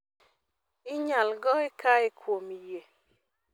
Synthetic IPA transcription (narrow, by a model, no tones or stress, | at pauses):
ɪɲalɡɔɪkaɪkʰwomije